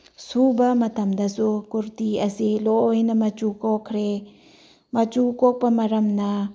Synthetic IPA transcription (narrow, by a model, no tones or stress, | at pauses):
subɐmɐtʰɐmdɐsukuɾtiɐsiloojnɐmɐt͡ʃukokʰɾe | mɐt͡ʃukok̚pɐmɐɾɐmnɐ